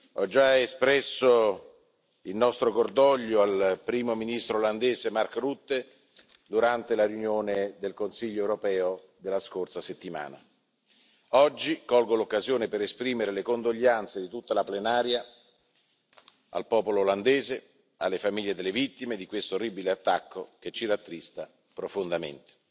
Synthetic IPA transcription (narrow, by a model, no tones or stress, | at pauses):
ɔd͡ʒːaespɾɛsːo | ilnɔst̪ɾokord̪ɔʎːoalpɾiːmominist̪ɾoːland̪eːzemarkorut̪ːe | d̪uɾant̪elarjunjoːned̪elkonsiʎːoewɾopɛːo | d̪elːaskorsaset̪ːima̰ːna̰ | ɔd͡ʒːikɔlɡolokːazjoːnepeɾespɾiːmeɾelekond̪oʎːant̪sed̪it̪ut̪ːalaplenaːɾja | a̰lpɔːpoloːland̪eːze | a̰lːefamiʎːed̪elːevit̪ːimed̪ikwest̪oorːiːbileat̪ːakːok̟et͡ʃːiɾat̪ːɾist̪a | pɾofond̪amḛnt̪e̥